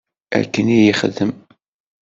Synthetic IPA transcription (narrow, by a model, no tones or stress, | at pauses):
æ̰ɾkənijəχəðəm